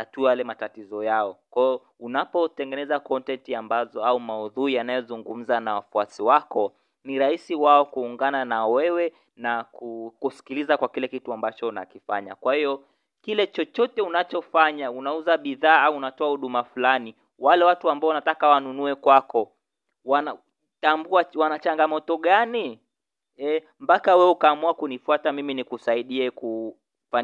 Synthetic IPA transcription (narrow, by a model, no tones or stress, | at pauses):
atujalɛmatatizɔjaɔkwajɔ | unapɔtɛŋɡɛnɛzakɔntɛntiambazɔaumauðuijanajɔzuŋɡum̩zanawafuasiwakɔ | niɾahisiwaɔkuːŋɡananawɛwɛ | nakukusi̥kilizakwakilɛkituambat͡ʃɔna̰kifaɲa̰kwahiɔ | kilɛt͡ʃɔt͡ʃɔtɛunat͡ʃɔfaɲaunauzaɓiðaːauunatɔahuɗumafulani | walɛwatuambaɔwanatakawanunuɛkwakɔ | wana | tambuawanat͡ʃaŋɡamɔtɔɠani | ɛ | m̩pakawɛukaːmuakunifuatamiminikusaiɗiɛku | fa